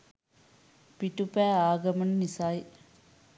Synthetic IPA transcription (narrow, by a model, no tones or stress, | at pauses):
piʈupæːaːɡɐmɐnnisaːj